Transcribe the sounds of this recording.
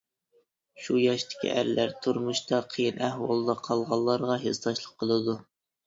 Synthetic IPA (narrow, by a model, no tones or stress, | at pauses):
ʃujɑʃt̪ɪ̥kʲʰḭʔæ̰ɾlæɾt̪ʰuɾmuʃt̪ɑqʰəjinʔæhwɑlˠd̪ɑqʰɑlˠʁɑlˠːɑɾʁɑɦest̪ɑʃlˠəqʰːəlˠɨd̪u